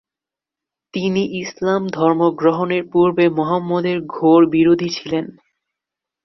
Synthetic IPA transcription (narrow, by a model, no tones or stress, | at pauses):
t̪iniʔislamd̪ʱɔɾmoɡɾoɦoneɾpuɾbemɔɦamːɔd̪eɾɡʱoɾbiɾod̪ʱit͡ɕʰilen